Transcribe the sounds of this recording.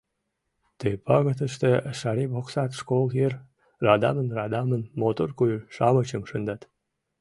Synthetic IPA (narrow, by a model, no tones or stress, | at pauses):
t̪epɑɣə̆t̪ə̆ʃt̪eʃɑɾiboksɑt̪ʂkolˠxer | rɑd̪ɑ̰mənrɑd̪ɑmənmot̪orkujʃɑmət͡ɕəmʂənd̪ɑt̪